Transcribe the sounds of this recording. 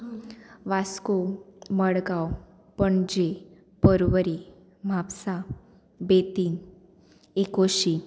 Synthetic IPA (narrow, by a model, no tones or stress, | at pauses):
ʋaskoməɽɡaw | pəɳd͡ʑe | pəɾʋəɾi | m̤ʱapsa | bet̪iːn | ekoɕi